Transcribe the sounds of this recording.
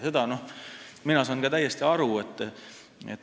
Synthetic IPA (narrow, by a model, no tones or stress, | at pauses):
se̞d̪̥ɑno̞hminɑsɑːnɡɑt̪æjest̪iɑɾuet̪ː | ḛt̪ː